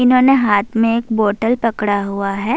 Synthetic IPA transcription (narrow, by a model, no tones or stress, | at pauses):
ɪnɦoːneɦaːt̪ʰmẽeːkboːʈəlpɐkɽaɦuaɦɛː